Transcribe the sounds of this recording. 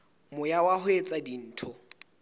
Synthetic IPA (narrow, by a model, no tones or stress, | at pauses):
mʊjawahʊet͡sʼadin̩ːtʰʊ